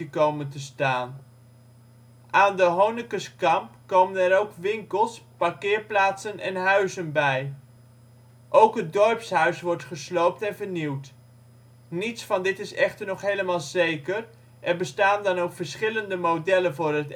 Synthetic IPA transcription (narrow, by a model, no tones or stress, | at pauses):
əkowməntəstaːn | ʔaːndəɦownɪkəskɑmpkowmənɛɾowkʋɪŋkəlˠspɑɹkɪːɹplaːtsənɛ̰nɦœɥzənbɛj | ʔowkɦət̚dɔɹpsɦœɥsʋɔɹtχəslowp̚tɛnvəɹniwt | nitsfɑndɪtɪsɛχtəɹnɔχɦejləmaːlˠzejkər | ʔɛɹbəstaːndɑnowkfəɹsχɪləndəmodɛlənvʊːrɦət